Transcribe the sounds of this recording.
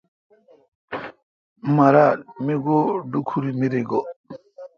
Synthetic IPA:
maɾameɡoɖukʰuɾimiɾeɡo

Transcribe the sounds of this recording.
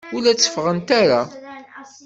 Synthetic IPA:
ʊlæt͡sːə̥fʁənt̪aɾa

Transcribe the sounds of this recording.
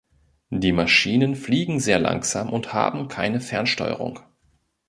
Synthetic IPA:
d̥iːmaʃiːnənfliːɡŋ̩zeːɐla̰ŋkz̥aːmʔʊntha̰ːbm̩kʰaɪnəfɛɐnʃtɔ̰ʏə̰ʁʊ̰ŋ

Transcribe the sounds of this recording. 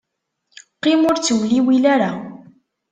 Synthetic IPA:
qɪmʊɾt͡swliwilaɾa

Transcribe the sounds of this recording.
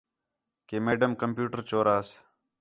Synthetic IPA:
keːmeːɖəmkəmpjuːʈəɾt͡ʃoːɾaːs

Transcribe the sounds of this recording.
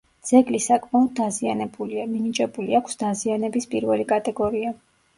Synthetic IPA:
d̪z̥ɛɡlisakʼmaɔd̪̚ːazianɛbuliaminit͡ʃʼɛbuliakʷʰsd̪azianɛbispʼiɾvɛlikʼat̪ʼɛɡɔɾia

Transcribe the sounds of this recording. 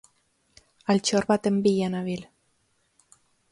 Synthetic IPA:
alt͡ʃoɾβat̪embijanaβil

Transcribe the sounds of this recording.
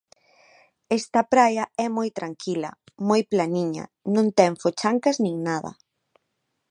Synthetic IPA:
ɛst̪ɐpɾajɐɛmojt̪ɾaŋkʰilɐ̰ | mojplaniɲɐ̰nõnt̪ɛŋfot͡ʃaŋkaznĩŋnaðɐ̰

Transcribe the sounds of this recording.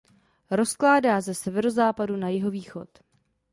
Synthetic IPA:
ɾo̞sklaːdaːzɛsɛvɛɾo̞zaːpadunajɪɦo̞viːxo̞̰t̪

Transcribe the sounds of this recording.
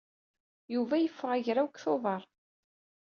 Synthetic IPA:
juvæjəfːəʁæʝɾæwkθoðˤɑɾˤ

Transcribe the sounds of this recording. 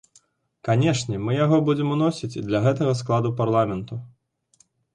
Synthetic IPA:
kanʲɛʂnʲɛmɨjaɣɔbud͡zʲɛmunɔsʲit͡sʲid̪lʲɐɣɛt̪ɐɣɐsklˠad̪uparlˠamʲɛnt̪u

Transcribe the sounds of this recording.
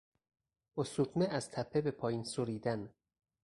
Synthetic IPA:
osut̪ʰneʔæz̥t̪ʰæpʰːebe̞pʰɒːjiːnsoɾiːd̪æn

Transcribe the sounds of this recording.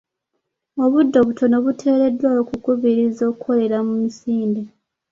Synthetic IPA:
o̞βudːo̞βutʰo̞no̞βutʰe̞ːɾe̞dːwajokukuβiɾizo̞ːkuko̞le̞ɾamumisiːnde

